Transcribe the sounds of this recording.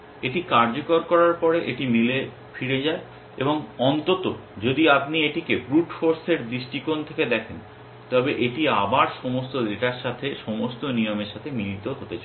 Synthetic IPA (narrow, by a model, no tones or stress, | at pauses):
eʈikaɾd͡ʑokoɾkɔɾaɾpɔɾeʔeʈimile | fiɾed͡ʑae | ḛboŋɔnt̪ot̪od͡ʑod̪iapnieʈikebɾuʈfoɾseɾd̪ɾiʃʈikont̪ʰeked̪ɛkʰen | t̪ɔbeʔeʈiabaɾʃɔmost̪od̪eʈaɾʃat̪ʰeʃɔmost̪onijomeɾʃat̪ʰemilit̪oɦot̪et͡ɕʰae